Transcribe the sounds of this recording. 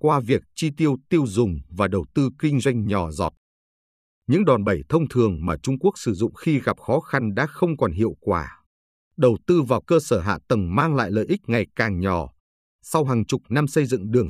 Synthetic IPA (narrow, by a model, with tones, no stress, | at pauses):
kwaː˧vi˨˩ək̚t͡ɕi˧t̪i˧əwt̪i˧əwzʊ˨˩ŋ͡mvaː˨˩ɗə˨˩wt̪ɨ˧kï˧ŋ̟zwa˧jŋ̟ɲɔ˨˩zɔ̰˨˩t̚ | ɲɨ̰˧˥ŋɗwaː˨˩nɓə˧˩jt̪ʰə˧wŋ͡mt̪ʰɨ˨˩əŋmaː˨˩t͡ɕʊ˧ŋ͡mku˦˥ək̚sɨ˧˩zʊ̰˧˨ŋ͡mxi˧ɣa˨˩p̚xɔ˨˦xa˧nɗa̰ː˧˥xə˧wŋ͡mkɔ˨˩nɦḭ˧˨əwkwaː˧˩ | ɗə˨˩wt̪ɨ˧vaː˨˩wkəː˧səː˧˩ɦa̰ː˧˨t̪ə˨˩mmaː˧ŋla̰ː˧˨jlə̰ː˧˨jʔï˦˥k̟̚ŋa˨˩jkaː˨˩ŋɲɔ˧˩ | sa˧wɦaː˨˩ŋt͡ɕʊ˨˩k͡p̚na˧msə˧jzɨ̰˧˨ŋɗɨ˨˩əŋ